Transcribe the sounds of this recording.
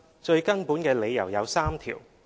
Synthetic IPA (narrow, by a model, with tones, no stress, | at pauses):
t͡ʃɵ˧ɥkɐ˥npuː˨˥nkɛː˧le˨˧jɐ̰˨˩wjɐ˨˧wsaː˥mt̪ʰḭː˨˩w